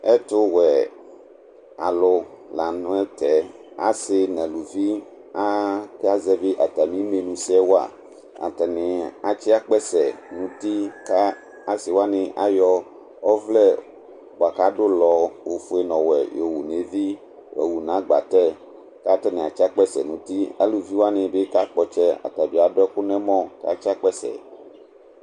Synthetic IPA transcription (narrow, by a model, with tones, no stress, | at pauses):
ɛ˦t̪o˦wɛ˨ | a̰˨lo˦ | la˨ñ˦ɛ˦t̪ɛ˨˦a̰˨sɪ˦nɛ̃˨lu˨vi˦ | a˦ke˦a˦˨zɛ˦be˦ʔa˨t̪a˨mĩ˦mẽ˨nũ˨sɛ˦wo˦a̰˨ | a̰˨t̪ɛ˨nẽ˨a˨t͡ɕi˦a˦k͡pɛ˦sɛ˨nũ˨t̪i˦ka˦ | a˨sɪ˨wo˦a˦nɪ̃˨ʔa˨jɔ˦ | ɔ˦vlɛ˦ | wo˨a˨ka˦ɖo˦lɔ˨wo˨fo˦e˨nɔ̃˨wɛ̰˨jo˨wu˨ne˨vi˦ | wɛ̰˨wu˨nã˨˦ɡ͡ba̰˨t̪ɛ˦ | ka˦t̪ɛ˦nɛ̃˨a˨t͡ʃi˦a˦k͡pɛ˦sɛ̰˨nũ˨t̪i˦a̰˦lu˨vi˦wo˦a˦nẽ˨be˦ka˦k͡pɔ˨t͡ʃɛ˦a̰˨t̪a˨bi˨a˨ɖɛ˦ku˦nɛ̃˦mɔ̃˦ka˨t͡ʃi˦a˦k͡pɛ˦sɛ̰˨